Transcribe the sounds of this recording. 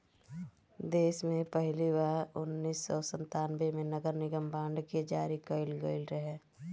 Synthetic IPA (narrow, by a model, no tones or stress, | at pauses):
d̪eːsmẽpəɦliʋaːɾʊnːiːsːɔːsə̃nt̪aːnbemẽnəɡəɾnɪɡəmbãːɳɖked͡ʒaːɾikəɪlɡəɪlɾəɦɛː